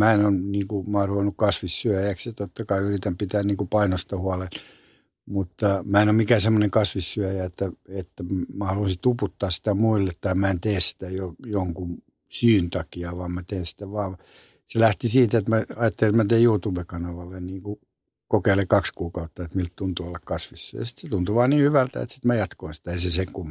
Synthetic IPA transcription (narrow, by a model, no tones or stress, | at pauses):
mæenonniːŋkumɑːruʋenːukkɑsʋisːyæjækset̪ot̪ːɑkɑiyrit̪æmpit̪æːnniːŋkupɑinost̪ɑhuɑlen | mut̪ːɑmæenommikæsemːoneŋkɑsʋisyøjæet̪ːæet̪ːæmmæhɑluisit̪uput̪ːɑːssi̥t̪æmuilːet̪t̪ːɑimmæent̪eːssi̥t̪æjojoŋkun | syːnt̪ɑkiɑʋɑːmmæt̪eːnsi̥t̪æʋɑːʋ | selæht̪isiːt̪et̪mæɑjɑt̪ːeliemæt̪eːjuːt̪uːbekɑnɑʋɑlːenniːŋku | kokeilekɑkskuːkɑut̪ːɑet̪milt̪t̪unt̪uolːɑkkɑsʋisːyæ̰jɑsi̥t̪set̪unt̪uʋɑːniːhyʋælt̪æ̰ḛt̪si̥t̪mæjɑt̪koinsi̥t̪æeiseseŋkumː